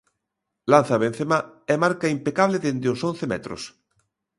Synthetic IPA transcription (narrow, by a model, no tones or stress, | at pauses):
lan̟θaβen̟θemaɛmaɾkaimpekaβleðend̪ɪosõnθemɛ̰t̪ɾo̰s